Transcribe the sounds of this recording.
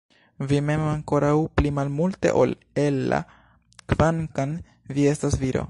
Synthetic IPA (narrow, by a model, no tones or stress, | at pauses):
vime̞maŋko̞ɾawplimalmulte̞̰ʔo̰l | elːa̰ | kvaŋkan | vie̞stasviɾo̞̰